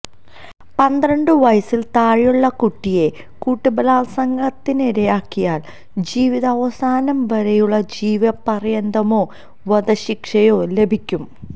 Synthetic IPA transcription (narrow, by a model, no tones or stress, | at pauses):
pɐnd̪rɐɳɖɨʋɐjsilt̪aːɻijuɭːɐkuʈːije̞ | kuːʈːubɐlaːlsɐŋɡɐt̪ːiniɾɐjaːkːijaːɭ | d͡ʑiːʋiðɐːʋɐsaːnɐmʋɐɾɐjuɭːɐd͡ʑiːʋiɐpɐrijɐnd̪ɐmoː | ʋɐðɐɕikʂɐjo̞ːle̞bʱikʲːum